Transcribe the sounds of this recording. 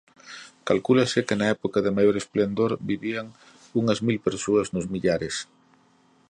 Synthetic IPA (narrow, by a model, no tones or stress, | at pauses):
kalkulɐsɪkɪnɐɛpokɐðɪmajoɾesplend̪oɾbiβiaŋ | uŋɐzmilpeɾsoɐznʊzmiʎaɾɪs